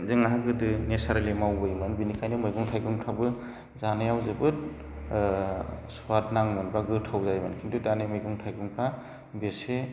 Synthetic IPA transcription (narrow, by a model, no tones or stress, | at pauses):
zɯŋaɦaɡɯdɯnesaɾlimawbɯjmɯnbinikʰajnɯmɯjɡuŋtʰajɡɯŋpʰabɯ | zanɯjawzɯbɯt̚ | suwatnaŋmɯnbaɡɯtʰawzajmɯnkʰindɯdanemɯjɡuŋtʰajɡɯŋpʰa | bese